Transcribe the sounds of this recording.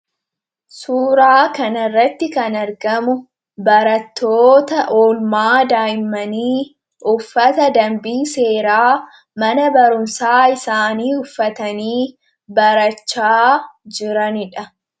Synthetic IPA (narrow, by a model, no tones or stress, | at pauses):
suːɾaːkɐnɐrːɐt̪ːɪkɐnɐɾɡɐmʊ | bɐɾɐt̪ːoːt̪ɐʔoːlmaːd̪aːjɪmːɐniː | ʔʊfːɐt̪ɐd̪ɐmbiːse̞ːɾaː | mɐnɐbɐɾʊmsaːɪsaːniːʊfːɐt̪ɐniː | bɐɾɐt͡ʃːaːd͡ʒɪɾɐnɪᶑɐ